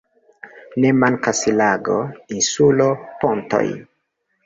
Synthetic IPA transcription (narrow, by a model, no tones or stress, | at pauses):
nemankasilaɡo̰insuloponto̰j